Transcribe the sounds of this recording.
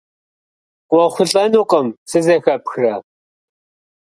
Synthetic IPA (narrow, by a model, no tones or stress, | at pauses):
qʷʼɔχʷʊɬʼɐnuːqʼəmsɨzɐxɐpxrɐ